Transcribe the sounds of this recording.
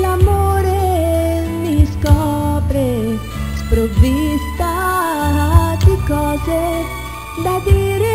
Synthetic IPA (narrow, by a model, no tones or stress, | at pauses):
lamoɾe | niskɔpɾe | pɾobist̪aɦat̪ikɔse | d̪ad͡ʒiɾe